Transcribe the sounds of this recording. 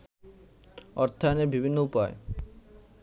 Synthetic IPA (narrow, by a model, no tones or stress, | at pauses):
ɔɾt̪ʰːaneɾbibʱinːoupae